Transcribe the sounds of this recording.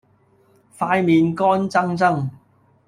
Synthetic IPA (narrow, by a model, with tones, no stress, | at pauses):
faː˧jmiː˨nkɔː˥nt͡sɐ˥ŋt͡sɐ˥ŋ